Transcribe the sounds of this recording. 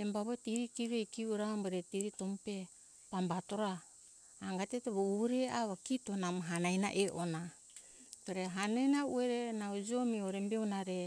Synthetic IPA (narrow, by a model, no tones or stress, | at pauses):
embaβotiɾikiɾejkiuɾambeɾetiɾitompe | pambato̞ɾaː | ŋɡateteβouɾeaβakitonamɦanajna̰ʔeʔona | toɾeɦanajnaueɾenaod͡ʒomioɾembeunaɾe